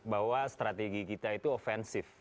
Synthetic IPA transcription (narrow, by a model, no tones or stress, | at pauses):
baɦwast̪ɾat̪eɡikit̪ait̪uofɛnsɪf